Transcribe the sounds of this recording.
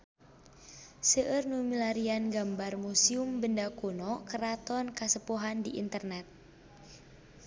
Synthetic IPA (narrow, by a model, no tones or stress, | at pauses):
səʔərnumilaɾianɡambarmusiumbəndakunɔkəɾat̪ɔnkasəpuɦandiʔḭnt̪ərnɛt̪̚